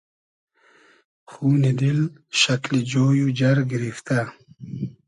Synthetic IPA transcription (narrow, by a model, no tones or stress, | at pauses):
xuːnid̪ɪl | ʃaklid͡ʒoːjud͡ʒaɾɡɪɾift̪a